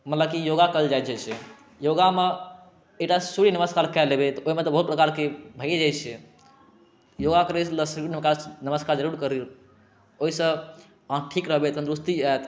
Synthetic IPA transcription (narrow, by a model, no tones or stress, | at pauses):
mət̪ləb̚kijoɡakəld͡ʒajt̪̚d͡ʒɛt͡ʃʰɛ | joɡame | ekʈasuɽinəməskaɾkɛlebet̪oimet̪ɔbəɦut̪̚pɾəkaɾkebʱəjed͡ʒajt͡ʃʰɛ | joɡakəɾesləsuɾinmekanəməskaɾd͡ʒəɾuɽkəɾiɾ | oɦisə̃ | ɦãʈʰikɾəɦbet̪ənd̪ɾust̪iat̪